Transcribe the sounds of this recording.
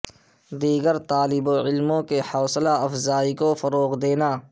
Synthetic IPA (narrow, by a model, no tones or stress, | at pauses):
d̪iːɡəɾt̪aːlɪboɪlmõkehɐːslaɐfzaːikofəɾoːqd̪eːnaː